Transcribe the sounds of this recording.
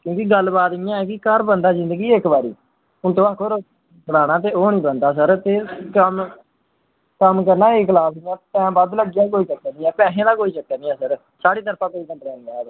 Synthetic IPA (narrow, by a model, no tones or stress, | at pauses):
kjõːkɪɡəlbaːt̪ɪjãːɛːkɪkəɾbənd̪aːzɪ̃nd̪əɡiːɪkbaːɾḭː | ʊnt̪õːaːkʰːoɾ | pɽaːɽãːt̪̬eːoːnĩːbənd̪aːs̬əɾt̪eːkəm | kəmkəɾnaːeːkʰlaːpɪjãːpɛ̃ːbəd̪ləɡɪjãːk̬oːiːt͡ʃəkːɛːnĩːɛ̃ːpɛ̃ːsẽːd̪aːkoːiːt͡ʃəkːɛːnĩːɛ̃ːsəɾ | saːɽiːt̪əɾpʰãːkoːiːkə̃nd̪ɾɛ̃ːnːaːb